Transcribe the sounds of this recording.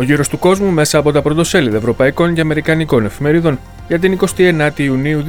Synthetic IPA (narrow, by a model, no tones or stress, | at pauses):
o̞ʝiɾo̞st̪uko̞zmume̞sɐːpo̞t̪ɐpɾo̞t̪o̞se̞liðɐevɾo̞pɐiko̞nceɐme̞ɾikɐniko̞ne̞fime̞ɾiðo̞n | ʝɐt̪iniko̞st̪ie̞nɐt̪iːuniu